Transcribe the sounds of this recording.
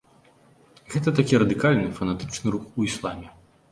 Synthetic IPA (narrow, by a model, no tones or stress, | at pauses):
ɣɛt̪ɐt̪akʲiɾɐd̪ɨkalʲnɨfɐnat̪ɨ̥t͡ʂnɨɾuxuislˠa̰mʲɛ